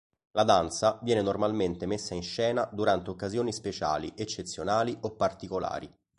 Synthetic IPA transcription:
lad̪ant̪savjɛːnenormalment̪emesːainʃɛːnad̪uɾant̪eokːazjoːnispet͡ʃa̰ːliʔet͡ʃːet̪sːjonaːliʔopːart̪ikola̰ːɾi

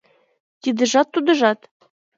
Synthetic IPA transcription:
t̪id̪ɘ̆ʒɑt̪ːud̪ɤ̆ʒɑt̪

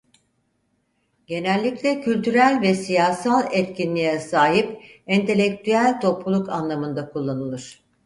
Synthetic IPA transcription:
ɟe̞nælʲːiclʲɛcʰylʲt̪ʰyɾælʲvɛsijaːsalˠɛt̪cʰinlʲijɛsaːɦipɛnt̪ʰe̞lʲɛc̚t̪ʰyælʲt̪ʰo̞plˠulˠukanlˠamɯnd̪akʰulˠːanɯlˠɯɾ̥

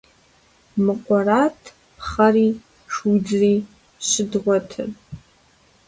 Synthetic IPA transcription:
mɨqʷʼaɾatʰ | pʰχari | ʂud͡zri | ʃʷɨdʁʷatʰɨ̰rʼ

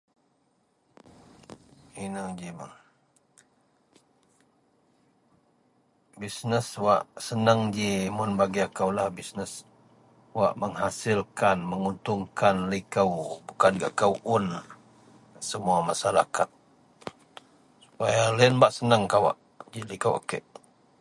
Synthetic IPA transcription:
inəd͡ʒiməŋ | bisnəswaʔsənəŋd͡ʒimʊnbaɡiakawlahbisnəs | wa̰ʔməŋɦasɪlkanməŋunt̪ʊŋkanlikəwbukanɡa̰ʔkəwʔʊn | səmuamasaɾa̰kat̪̚ | su̥pajalaənbaʔsənəŋkawa̰ʔ | d͡ʒilikəwa̰kə̰ʔ

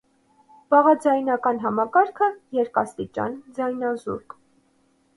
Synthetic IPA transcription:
b̥ɑʁɑd͡zɑjnɑkɑnɦɑmɑkɑɾkʰəjɛɾkɑst̪it͡ʃɑ̰nd͡zɑjnɑzṵɾk

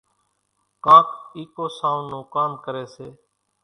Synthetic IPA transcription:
kaːkiːkoːsaːũnoːkaːnkəɾeːseː

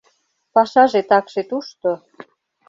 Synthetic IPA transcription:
pɑʃɑʒet̪ɑkʃet̪uʃt̪o

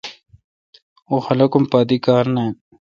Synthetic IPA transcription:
oxɐlɐkumpaːd̪ikaːɾnae

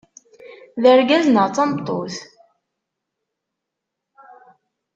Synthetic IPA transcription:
ðəɾɡæznəʁt͡sːɑmt̪ˤːo̰θ

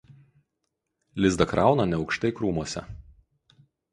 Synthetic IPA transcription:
lʲɪzd̪ɐkɾɑˑʊnɐnʲɛɒʊkʃt̪ɐɪkɾuːmuɔsʲɛ̰

